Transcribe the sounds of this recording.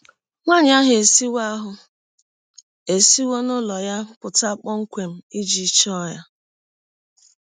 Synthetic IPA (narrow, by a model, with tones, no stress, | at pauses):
ŋʷa˦˨ɲ˦a˦ɦe˨si˦wa˦a˦ɦʊ˨ | e˨si˦wo˦nʊ˦lɔ˨ja˦pʊ˨ta˦k͡pɔ˦ŋ̩˦kʷe˨m̩˨i˦d͡ʒi˨˦t͡ʃɔ˦ja˦